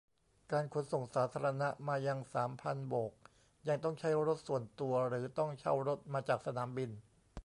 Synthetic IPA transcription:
kaː˧nkʰo˧˥nso˨˩ŋsaː˩˦t̪ʰaː˧ɾa˧na˦˥ʔmaː˧ja˧ŋsaː˩˦mpʰa˧nboː˨˩k̚ | ja˧ŋt̪ɔ˥˩ŋt͡ɕʰa˦˥jɾo˦˥t̪̚su˨˩ənt̪u˧ɐɾɯː˩˦t̪ɔ˥˩ŋt͡ɕʰa̰˥˩wɾo˦˥t̪̚maː˧t͡ɕaː˨˩k̚sa˧naː˩˦mbi˧n

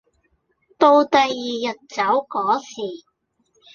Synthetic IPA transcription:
t̪o˧wt̪ɐ˨jːiː˨jɐ˨t̚t͡sɐ˨˥wkɔː˨˥siː˨˩

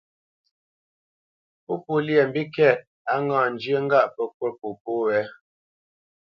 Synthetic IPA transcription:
po˦pu˦˨lje˨m̩˨bi˦kɛ˦˨t̚ | a˦ŋãː˦˨n̩˨d͡ʒjə˦ŋ̩˦ɡa˦ʔpə˦k̚wə˦pu˨p̚o˦wɛ˨˦

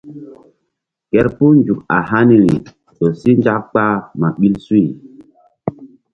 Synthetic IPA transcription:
kɛ˦ɾpu˦nd͡ʒu˨k̚a̰˨ha˦ni˨ɾḭ˨ | ɗo˨si˦nd͡ʒa˦k̚k͡pa˦ma˨ɓi˦lsu˦i˨

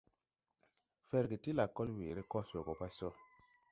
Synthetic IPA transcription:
fe˨ɾki˨ti˦la˨kːo˦lwe˨ɾe˦kɔ˦so˨ko˨pa˦so˦

